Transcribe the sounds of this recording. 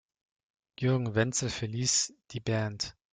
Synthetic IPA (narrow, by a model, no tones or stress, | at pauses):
jʉɐɡŋ̩vɛnt͡sl̩fɛɐliːsd̥iːbant